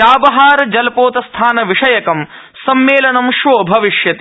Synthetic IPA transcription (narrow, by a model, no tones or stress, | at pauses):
aːbɐɦaːɾɐd͡ʒɐlpoːt̪ɐst̪ʰaːnɐʋiʂɐjɐkɐm | sɐmːeːlɐnɐmʃʋoːbʱɐʋiʃjɐt̪